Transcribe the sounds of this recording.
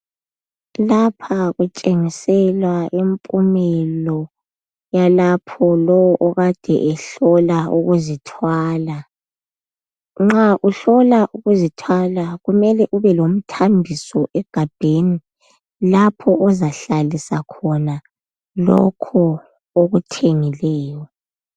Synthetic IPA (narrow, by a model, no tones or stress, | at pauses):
lapʰaɣut͡ʃʼeŋisɛlwaʔimpʼumɛlɔ | jalapʰɔlɔwɔʔɔɣad̥ʱɛ̰ʔɛɬɔlaṵɣuzitʰwaːla | ŋ͡ǁaʔuɬɔlaʔuɣuzitʰwalaɣumɛlɛʔuβɛlom̩tʰambʱisɔʔɛɡ̥ʱab̥ʱeni | lapʰɔʔɔzaɬalisakʰɔna | lɔ̰kʰɔ | oɣutʰeŋilɛːjɔ